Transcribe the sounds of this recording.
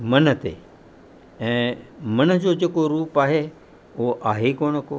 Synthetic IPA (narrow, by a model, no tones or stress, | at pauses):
mənət̪ḛ | ɛ̃ːmənəd͡ʑod͡ʑeːkoɾuːpaːɦe | oʔaːɦekoːɳ̃ko